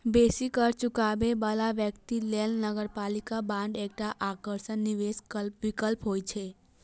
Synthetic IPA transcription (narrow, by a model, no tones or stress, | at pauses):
besikəɾt͡ʃukabebəlaʋjəkt̪ilelnəɡəɾpalikabãɳɖek̚ʈaʔakəɾʃənːiʋeskəlʋikəlpɦoːjt͡ʃʰe